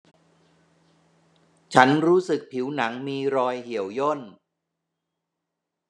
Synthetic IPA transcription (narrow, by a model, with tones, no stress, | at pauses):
t͡ɕʰa˦˥nɾuː˦˥sɯ˨˩k̚pʰi˩˦wna˩˦ŋmiː˧ɾɔː˧jhi˨˩˦əwjo˥˩n